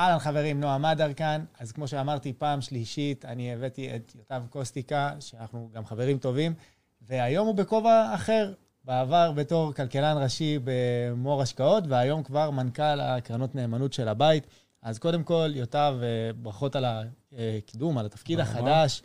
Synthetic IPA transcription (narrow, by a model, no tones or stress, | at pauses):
alalχave̞ʁimnoamadaʁkanazkmo̞ʃeamaʁtipaːmʃliʃitanievetiet̪jotavko̞stikaʃeanaχnuɡamχave̞ʁimto̞vim | ve̞ajo̞mube̞ko̞vaːχe̞ʁ | beavaʁbe̞to̞ʁkalkelanʁaʃibemo̞ʁaʃkao̞tveajo̞mkvaʁmankala̰kʁanotne̞ːmanutʃe̞labait | azko̞de̞mko̞ljotavebʁaχo̞talakidumalat̪afkid̪haχadaʃ